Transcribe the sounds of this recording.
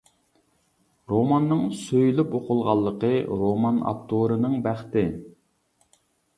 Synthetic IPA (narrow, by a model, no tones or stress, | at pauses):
ɾomɑnːɨŋsøjylypoqʊlˠʁɑlˠːəqəɾomɑnɑ̰p̚t̪ʰoɾɨnɨŋbæχt̪ɪ